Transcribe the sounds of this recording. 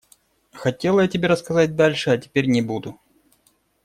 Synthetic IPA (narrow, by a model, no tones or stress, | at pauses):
xɐtʲe̞lˠəjatʲɪbʲeɾəskɐzat̚ʲd̪alʲʂɨɐtʲɪ̥pʲeɾʲnʲɪbud̪ʊ